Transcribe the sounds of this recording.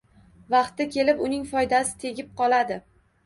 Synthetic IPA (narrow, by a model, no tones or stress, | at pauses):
vɑqt̪ːakʲʰe̞lɪpʊnɪŋfɒjd̪asɪ̥t̪ʰe̞ɡʲɪp̚qʰɒlˠad̪ɪ